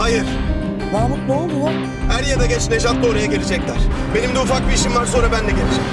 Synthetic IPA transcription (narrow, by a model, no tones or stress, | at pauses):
hajɯɾ̥ | zaːlˠɯk̚d̪oːlˠd̪ulˠu | hæɾjad̪aɟɛt͡ʃnʲeʒat̪d̪o̞ːɾajaɟe̞lid͡ʒɛclʲæɾ̥be̞nimd̪ɛufak̚biiʃimvaɾso̞nɾabænd̪ɛɟelʲiɾim